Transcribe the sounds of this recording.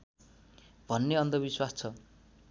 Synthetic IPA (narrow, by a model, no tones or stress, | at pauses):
b̥ʱʌnːeʌnd̪ʌbiswast͡sʰʌ